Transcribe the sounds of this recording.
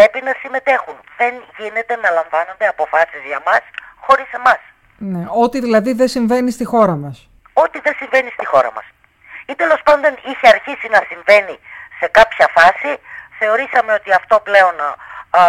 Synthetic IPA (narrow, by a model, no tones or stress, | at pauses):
pɾe̞pinɐsime̞t̪e̞xunðe̞nʝine̞t̪e̞nɐlɐɱvɐno̞nd̪e̞ɐpo̞fɐsizʝɐmɐsxo̞ɾise̞mɐs | ne̞o̞t̪iðilɐðiðe̞siɱve̞nist̪ixo̞ɾɐmɐs | o̞t̪iðe̞siɱve̞nist̪ixo̞ɾɐ̰mɐ̰s | it̪e̞lo̞spɐnd̪o̞niçeɐɾçisinɐsiɱve̞nise̞kɐpçɐfɐsiθe̞o̞ɾisɐmeo̞t̪iɐft̪o̞ple̞o̞n